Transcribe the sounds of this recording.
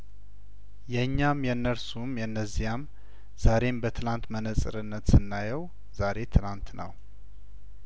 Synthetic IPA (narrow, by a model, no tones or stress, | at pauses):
jɛɲːamjɛnːəɾsumjɛnːəzːijam | z̥aɾe̞mbət̪ʰɨlant̪mənəsʼɨ̰ɾɨnːət̪sɨnːajɛw | z̥aɾe̞t̪ʰɨlant̪nə̰w